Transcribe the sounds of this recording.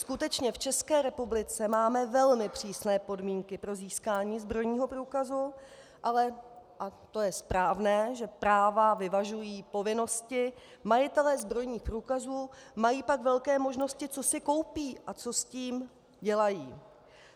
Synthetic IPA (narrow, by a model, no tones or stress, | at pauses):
skut̪ɛt͡ʃɲɛft͡ʃɛskɛːɾɛpublɪt͡sɛmaːmɛvɛlmɪpr̝̥iːsnɛːpo̞dmiːŋkɪpɾo̞ziːskaːɲiːzbɾo̞jɲiːɦo̞pɾuːkazu | ʔalɛʔat̪o̞jɛspɾaːvnɛːʒɛpɾaːvavɪvaʒujiːpo̞vɪno̞scɪ | majɪt̪ɛlɛːzbɾo̞jɲiːxpɾuːkazuːmajiːpakvɛlkɛːmo̞ʒno̞scɪt͡sosɪko̞wpiːʔat͡so̞sciːm | ɟɛlajiː